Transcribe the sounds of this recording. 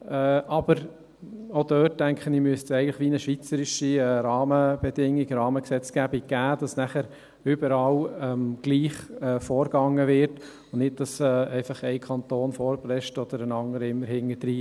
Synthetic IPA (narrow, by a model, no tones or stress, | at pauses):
ɛːʔɑb̥əɾ | odœːt̚dæŋkχənimyəstsɛɪɡəntlɪχʋinəʃʋit͡səɾɪʃiɛɾɑːməb̥ɛdɪŋːiɡɾɑːməksɛt͡sɡ̥æbik̚ɡ̥æːd̥ɑsnæχəɾ | ʏbəɾɑlɛmɡ̥liːχɛfɔːɾɡ̥ɑŋəvɪɾt | ʊnnɪt̚d̥ɑsɛːɛɪfɑχɛɪkʰɑnt̪oːnfɔːɾblɛʃtɔd̥̪əɾənɑŋdəɾəɪmːəɾhɪŋədɾiː